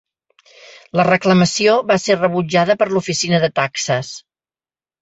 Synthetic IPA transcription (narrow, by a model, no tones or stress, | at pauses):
lərəkləməsioβaserəβud͡ʒaðəpəɾlufisinəðət̪aksəs